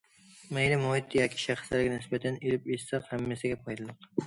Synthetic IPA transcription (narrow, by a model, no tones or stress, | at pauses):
majlɪmɒhɪt̪ʰːjɒkʲʰɪ̥ʃaχslaɾɡʲanɪsbat̪ʰanelɪpessaqhamːesaɡʲapʰɒjd̪alˠɪq